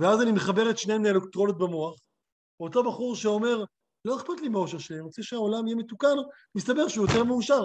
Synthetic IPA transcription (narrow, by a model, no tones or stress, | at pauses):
veazanimeχabe̞ʁetʃneemnelekt̪ʁonot̪̚bemoaχ | oto̞baχuʁʃeo̞me̞ʁ | lo̞eχpat̪limaoʃeʁʃelianiʁot͡sɛʃeao̞lamijeme̞tukan | mist̪abe̞ʁʃeujote̞ʁmeuʃaʁ